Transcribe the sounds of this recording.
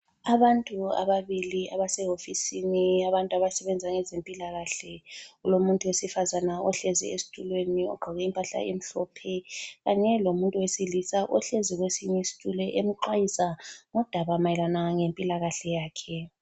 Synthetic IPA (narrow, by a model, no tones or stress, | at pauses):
aβantʼua̰βaβiliaβasɛɦofisiniaβantʼuaβasɛβɛnd͡zʱaŋɛzempʼilaɣaɬɛulomuntʼuwesifazanaɔɬɛzḭesi̥tʼulweniɔ̰ɡ͡ǃʱaɣɛimpʼaɬa̰ʔem̩ɬɔpʰɛɣaɲɛlomuntʼuwesilisaʔɔɬeziɣwesiɲɛisi̥tʼulɛʔemiǃwajisaŋɔd̥ʱaβamajɛlanaŋempʼilaɣaɬɛjaːkʰɛ